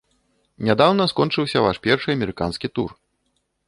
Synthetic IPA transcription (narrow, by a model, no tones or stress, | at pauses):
nʲad̪awnɐskɔnt͡ʂɨwsʲɐvaʂpʲɛrʂɨɐmʲɛɾɨkanskʲit̪ur